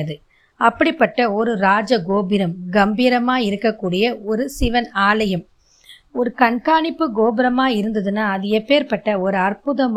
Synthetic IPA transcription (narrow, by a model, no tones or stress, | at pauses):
ɐðɯ | ɐpːɐɽipːɐʈːɐɔɾɯɾaːd͡ʒɐɡoːbɪɾɐmɡɐmbiːɾɐmaːjɪɾɯkːɐkːuːɽɪjɐɔɾɯsɪʋɐnaːlɐjɐm | ɔɾɯkɐɳkaːɳɪpːɯɡoːbɪɾɐmaːɪɾɯnd̪ɐðɯnːaːɐðɯepːeːɾpɐʈːɐɔɾɯɐrpʊðɐm